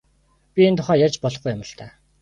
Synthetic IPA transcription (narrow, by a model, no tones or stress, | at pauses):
pʲient̪ʰʊχæːjat͡ɕpɔɮɞ̆χɡujʊmə̆ɬt̪æː